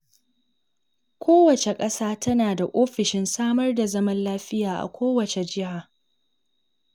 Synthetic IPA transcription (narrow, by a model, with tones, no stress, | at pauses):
kʷʰoː˦wɐ˨t͡ʃe˨kʼɐ˦saː˦tɐ˦naː˨da˨ʔoː˦ɸɪ˨ʃɪ˦nsaː˦mɐ˦rda˨zɐ˦mɐ˦nlaː˦ɸɪ˦jaː˨ʔa̰˨kʷoː˦wɐ˨t͡ʃe˨d͡ʒɪ˦ɦaː˨